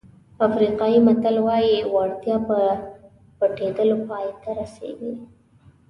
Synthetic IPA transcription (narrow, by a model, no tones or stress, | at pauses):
afɾiqɑimat̪alwɑjiwaɽt̪jɑpə | pəʈed̪əlopɑjt̪aɾasḛɡi